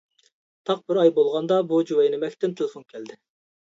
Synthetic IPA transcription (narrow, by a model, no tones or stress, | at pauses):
t̪ʰɑq̚bɪɾɑjbolˠʁɑnd̪ɑbud͡ʒuwɛjnɪmɛkʲt̪ɪnt̪ʰelˠɪfonkʲʰɛld̪ɪ